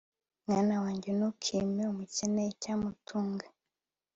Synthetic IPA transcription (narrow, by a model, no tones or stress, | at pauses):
mŋanawaːɲɟenukʰimeumuceneicaːmutʰuːŋɡe